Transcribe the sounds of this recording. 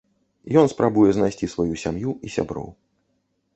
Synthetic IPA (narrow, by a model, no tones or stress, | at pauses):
jɔnspɾabujɛznajsʲt͡sʲisvajusʲamjuisʲa̰bɾɔ̰w